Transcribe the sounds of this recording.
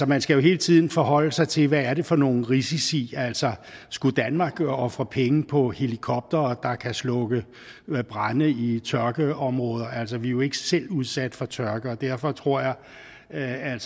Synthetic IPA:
sɒ̽mænsɡ̥æjo̝ɦe̝ːlət͡sʰið̞̰ˠn̩fɒ̽ɦɒ̽l̰əsɑ̈ɪt͡sʰe̝lʋææɐɾe̝fɒ̽no̝ːn̩ʁisisḭːæl̰sɒsɡ̥ud̥ænmɑ̈ːɡ̥ɒ̽fʁɐpʰeŋəpʰɒ̽he̝likʰɒ̽b̥̚d̥ɐːd̥ɑ̈kʰæslɔ̽ɡ̥ə | b̥ʁɑnəit͡sʰɶɐɡ̥əɒ̽mʁɔ̽ːð̞ˠɐælsɒʋijoe̝ɡ̥əsel̰uð̞ˠsæd̥fɒt͡sʰɶɐɡ̥əɒd̥æɐ̰fɒ̽t͡sʰʁo̝ɐ̰jɑ̈ɪ | æl̰s

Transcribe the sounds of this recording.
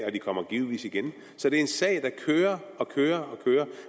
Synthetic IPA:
ɒ̽d̥ikʰɒ̽m̰ɐɡ̥iːl̩ˠʋḭːsiɡ̥en | sɒ̽d̥e̝ɐe̝nsɛ̰ɪd̥ɑ̈kʰøːɐɒ̽kʰøːɐɒ̽kʰøːɐ

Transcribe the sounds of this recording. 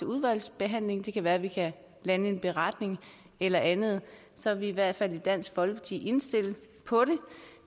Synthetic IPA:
əuð̞ˠʋæl̰sb̥e̝ɦæn̰le̝ŋd̥e̝kʰæʋæːɐʋikʰæ | lænəe̝nb̥e̝ʁɑ̈d̥ne̝ŋ | elɐʔænð̞̩ˠ | sɒ̽ʋiːʋæɐ̰d̥fæl̰id̥æn̰sɡ̥fɒ̽lpʰɑ̥t͡sʰḭʔe̝nsd̥e̝l̰ | pʰɒ̽ɾe̝

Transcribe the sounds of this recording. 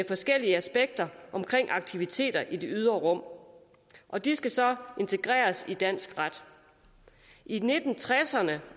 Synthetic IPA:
efɒ̽sɡ̥el̰iəæsb̥eɡ̥̚d̥ɐʔɒ̽mkʰʁeŋ̰ʔɑ̈ɡ̥̚t͡sʰiʋit͡sʰe̝̰ːd̥ɐʔid̥e̝yð̞ˠɐʁɔ̽m̰ | ʔɒ̽d̥isɡ̥æsɒ̽e̝nt͡sʰe̝ɡ̥ʁɛ̰ːɐsid̥æn̰sɡ̥ʁad̥ | ʔine̝d̥n̩t͡sʰʁɛsɐnə

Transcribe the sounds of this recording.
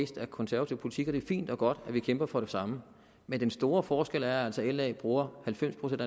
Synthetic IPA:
ḛsd̥ækʰɒ̽nsæɐæt͡sʰiʊ̰pʰo̝li̥t͡sʰiɡ̥ɒd̥e̝æɐfḭːnd̥ɒ̽ɡ̥ɒ̽d̥æʋikʰemb̥ɐfɒ̽ɾ̥e̝sɑ̈mə | mend̥ensd̥o̝ːɐfɒːsɡ̥el̰æɐæl̰sɒ̽el̰ɛːb̥ʁuːɐhælfem̰spʰʁo̝sen̰d̥

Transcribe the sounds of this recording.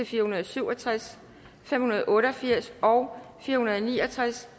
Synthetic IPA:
efiːɐhunɐð̩ˠsyʊ̰ɒ̽t͡sʰʁas | fem̰hunɐð̞̩ˠʔɔ̽ːɾ̥ɒfiɐ̰sɒʊfiːɐhunɐð̞ˠniːɒ̽t͡sʰʁas

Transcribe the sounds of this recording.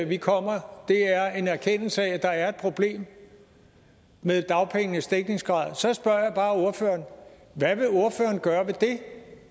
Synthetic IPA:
ʋikʰɒ̽m̰ɐd̥e̝æɐe̝næɐkʰen̰l̩səææd̥ɑ̈æɐe̝d̥̚pʰʁo̝b̥le̝̰ːm | meðˠd̥ɑ̈ʊpʰeŋ̰nəsd̥eɡ̥̚ne̝ŋsɡ̥ʁɑ̈ð̰ˠsɒ̽sb̥ɶɐ̰jɑ̈b̥ɑ̈ːo̝ɐfø̰ːɐn | ʋæʋe̝o̝ɐfø̰ːɐnɡ̥ɶːɐʋe̝d̥e̝

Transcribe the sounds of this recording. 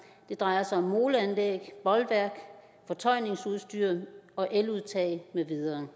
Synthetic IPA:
d̥e̝d̥ʁɑ̈ɪɐsɑ̈ɪɒ̽mːo̝ːləænlḛːɡ̥b̥ɒ̽lʋæɐɡ̥ | fɒ̽t͡sʰɒ̽ɪ̰ne̝ŋsuðˠsd̥yɐ̰ɒ̽ʔeluðˠt͡sʰɛ̰ːmeʋið̞ˠɐː

